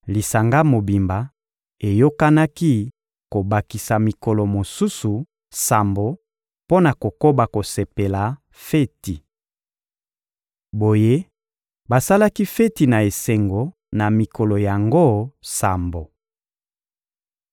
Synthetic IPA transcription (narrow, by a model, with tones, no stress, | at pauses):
li˨sa˨ŋɡa˦mo˨bi˨mba˨ | e˨jo˦ka˦na˦ki˦ | ko˨ba˨ki˨sa˨mi˨kɔ˨lɔ˨mo˨su˦su˨ | sa˨mbo˨ | po˦na˨ko˨ko˦ba˨ko˨se˨pe˨la˨ | fe˦ti˨ | bo˨je˦ | ba˨sa˦la˦ki˦fe˦ti˨na˨e˨se˨ŋɡo˨ | na˨mi˨kɔ˨lɔ˨ja˨ŋɡo˦sa˨mbo˨